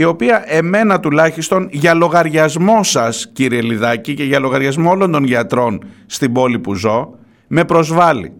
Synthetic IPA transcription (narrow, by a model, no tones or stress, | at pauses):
io̞piɐʔe̞me̞nɐt̪ulɐçist̪o̞nʝɐlo̞ɣɐɾʝɐzmo̞sɐsciɾie̞liðɐcice̞ʝɐlo̞ɣɐɾʝɐzmo̞o̞lo̞nd̪o̞nʝɐt̪ɾo̞n | st̪ibo̞lipuzo̞ | me̞pɾo̞zvɐlḭ